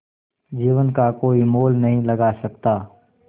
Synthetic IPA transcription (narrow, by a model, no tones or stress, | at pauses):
d͡ʒiːʋənkakoːimoːlnəɦĩləɡasək̚t̪aː